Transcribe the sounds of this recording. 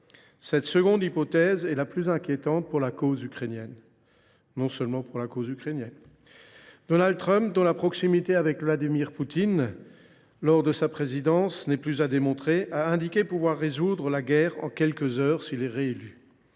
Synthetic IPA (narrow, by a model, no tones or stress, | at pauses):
sɛt̪səɡɔ̃d̪ipɔt̪ɛzɛlaplyzɛ̃kʲjet̪ɑ̃t̪̚puʁlakozykχenjɛn | nɔ̃sœlmɑ̃puʁlakozykχenjɛn | d̪̥ɔnald̪̚t̪χœ̃mp̚d̪ɔ̃lapχɔksimit̪eavɛkvlad̪imiʁput̪in | lɔʁd̪əsapχezid̪ɑ̃snɛplyzad̪emɔ̃t̪χeʔaɛ̃d̪ikʲepuvwaʁːezud̪ʁəlaɡʲɛʁɑ̰̃kʲɛlkəzœːʁsilɛʁeely